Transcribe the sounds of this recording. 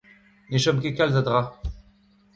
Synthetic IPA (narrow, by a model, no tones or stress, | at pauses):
neʃɔmkekalzad̪ʁa